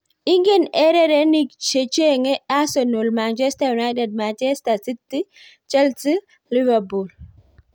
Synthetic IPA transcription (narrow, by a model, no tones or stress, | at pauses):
iŋɡenɛɾɛɾenikt͡ʃet͡ʃeŋɛasɔnolmant͡ʃɛstajunajtɛd̚mant͡ʃɛstasitːi | t͡ʃɛlsi | livapul